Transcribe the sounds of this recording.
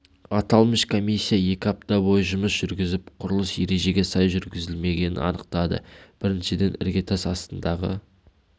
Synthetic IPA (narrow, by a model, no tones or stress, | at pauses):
ɑt̪ɑlˠməʃkʰo̞misʲːijaje̞kʲɪɑp̚t̪ɑbo̞jəʒʊməsʒ̥ʏɾɡʲɪzɪpqʰʊɾəlˠəsje̞ɾe̞ʒe̞ɡʲe̞sɑjʒʏɾɡʲɪzɪlme̞ɡʲe̞nɪ̰nɑ̰nəq̚t̪ɑd̪ə̰b̥ɪɾɪnʃɪd̪e̞nɪ̰ɾɡʲet̪asɑst̪ənd̪ɑʁə̰